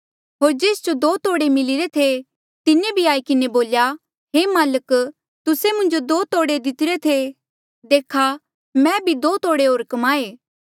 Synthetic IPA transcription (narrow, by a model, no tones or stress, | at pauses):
ɦoːɾd͡ʒeːsd͡ʒod̪oːt̪oːɽemɪlɪɾet̪ʰe | t̪ɪnebʱiaːikɪneboːlja | ɦeːmaːlək | t̪ʊsemʊ̃nd͡ʒod̪oːt̪oːɽed̪ɪt̪ɪɾet̪ʰe | d̪eːkʰa | mɛ̃bʱid̪oːt̪oːɽeɦoːɾkɐmaːeː